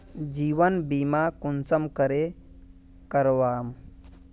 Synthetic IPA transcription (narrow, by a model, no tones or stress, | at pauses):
d͡ʒiːʋənbiːmakunsəmkəɾe | kəɾʋaːm